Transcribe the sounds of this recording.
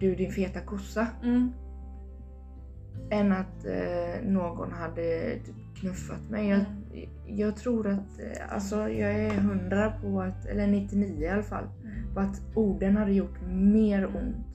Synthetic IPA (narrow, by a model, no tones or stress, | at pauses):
d̪ɵd̪ɪnfeːt̪akʰʊsːa | ɛnːat̪ | noːɡɔ̰nɦad̪ːət̪ʰy̥ːpkʰnɵfːa̰t̪mɛjjɑː | jɑːɡt̪ʰɾuːɾat̪a̰lsɔjɑːɡɛɾɦɵnd̪ɾapʰɔat̪ɛ̰lːəɳɪt̪ːɪniːəɪalafa̰lː | pʰɔat̪ | uːɖənhad̪ːəjʊʈːmeːɾʊnt̪